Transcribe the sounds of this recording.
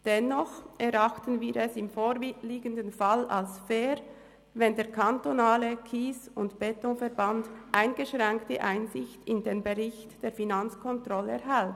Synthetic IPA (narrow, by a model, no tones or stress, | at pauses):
d̥ɛnːɔχʔɛɾʔaχtənviːɾɛsɪmfoːɾliːɡəndənfala̰lsfeːɾ | vɛndeːɐkʰantonaːləkʰiːsʊntb̥ɛtɔfɛɐbandʔaɪnɡ̥əʃʁɛŋktəʔaɪnzɪçtɪndeːnbəʁɪçtd̥eːɐfinant͡skʰɔntʁ̥ɔləɛɐɦɛlt